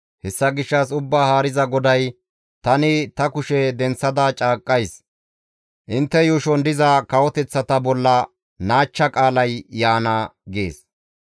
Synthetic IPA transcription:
hɛsːɐɡɪʃːɐs̬ʊbːaːhaːɾɪzɐɡɔd̪ɐj | t̪ɐnɪt̪ɐkʊʃɛd̪ɛnt͡sːɐd̪ɐt͡ʃʼaːkʼːɐjs | ʔɪnt̪ːɛjuːʃɔnd̪ɪzɐkɐwɔt̪ɛt͡sːɐt̪ɐbɔlːɐ | naːt͡ʃːɐkʼaːlɐjjaːnɐɡḛːs

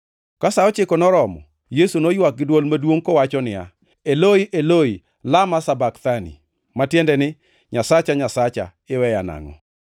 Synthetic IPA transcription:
kasaɔt͡ʃɪkɔnɔɾɔmɔ̰ | jesunojwak̚ɡɪdwolmadwoŋkɔwat͡ʃɔnɪja̰ | eloiʔeloi | lamasabakt̪anḭ | matjendɛnɪ | ɲasat͡ʃaɲasat͡ʃa̰ | ɪwɛjana̰ŋɔ̰

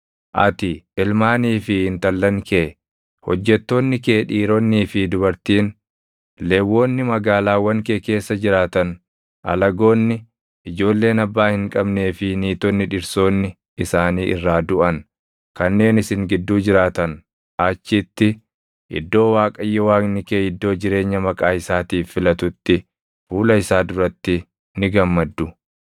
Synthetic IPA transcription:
ʔɐ̰t̪ɪɪlmaːniːfɪhɪnt̪ɐlːɐŋkʰeː | hɔ̰d͡ʒːɛt̪ːo̞ːnːɪkeːᶑiːɾonːiːfɪd̪ʊbɐɾt̪iːn | le̞ːwːo̞ːnːɪmɐɡaːlaːwɐŋkeːke̞ːsːɐd͡ʒɪɾaːt̪ɐn | ʔɐ̰lɐɡo̞ːnːɪ | ʔɪd͡ʒo̞ːlːe̞ːnɐbːaːhɪŋkʼɐbne̞ːfɪniːt̪ɔnːɪᶑɪɾso̞ːnːɪ | ɪsaːniːʔɪ̰rːaːd̪ʊʔɐn | kɐnːe̞ːnɪsɪŋɡɪd̪ːuːd͡ʒɪɾaːt̪ɐn | ʔaːt͡ʃːɪt̪ːɪ | ʔɪ̰d̪ːo̞ːwaːkʼɐjːɛwaːknɪkeːɪd̪ːo̞ːd͡ʒɪɾe̞ːɲːɐmɐkʼaːɪsaːt̪iːfːɪlɐt̪ʊt̪ːɪ | fuːlɐɪsaːd̪ʊɾɐt̪ːɪ | nɪɡɐmːɐd̪ːʊ

